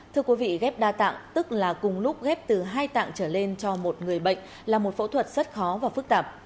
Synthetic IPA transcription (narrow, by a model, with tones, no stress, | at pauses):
t̪ʰɨ˧əkwi˨˦vḭ˧˨ɣɛ˦˥p̚ɗaː˧t̪a̰ː˧˨ŋt̪ɨ˦˥k̚laː˨˩kʊ˨˩ŋ͡mlʊ˦˥k͡p̚ɣɛ˦˥p̚t̪ɨ˨˩ɦaː˧jt̪a̰ː˧˨ŋt͡ɕəː˧˩le˧nt͡ɕɔ˧mo˨˩t̚ŋɨ˨˩əjɓə̰˧˨jŋ̟ | laː˨˩mo˨˩t̚fo̰˧˥t̪ʰwə˨˩t̚z̥ə˦˥t̚xɔ˨˦vaː˨˩fɨ˦˥k̚t̪aː˨˩p̚